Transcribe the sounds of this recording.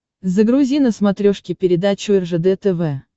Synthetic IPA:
zəɡɾʊzʲinəsmɐt̪ɾʲoʂkʲɪpʲɪɾʲɪd̪at͡ɕʊɛrʐɛd̪ɛt̪ɛvɛ

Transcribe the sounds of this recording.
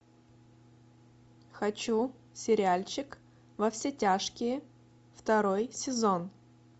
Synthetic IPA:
xɐt͡ɕu | sʲɪɾʲɪalʲt͡ɕɪk | vɐfsʲetʲaʂkʲɪjə | ft̪ɐɾojsʲɪzo̞n

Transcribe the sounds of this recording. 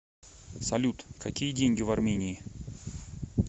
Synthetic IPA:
sɐlʲut̪kɐkʲijədʲenʲɡʲɪvɐrmʲenʲɪː

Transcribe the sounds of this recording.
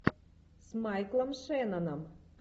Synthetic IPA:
smajklˠɐmʃɛnɐnɐm

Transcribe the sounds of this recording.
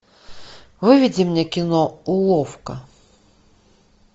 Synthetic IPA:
vɨvʲid͡zʲimnʲɛkʲinɔulˠɔwkɐ

